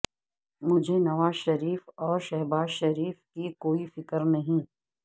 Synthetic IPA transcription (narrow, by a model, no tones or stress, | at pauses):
mʊd͡ʒʱenɐʋaːzʃɐɾiːfɔːɾʃɛɦbaːzʃɐɾiːfkikoːifɪkəɾnɐɦĩː